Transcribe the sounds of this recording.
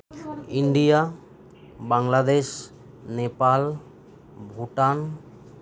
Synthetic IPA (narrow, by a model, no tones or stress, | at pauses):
iɳɖija | baŋlad̪eʃ | nepal | bʱuʈan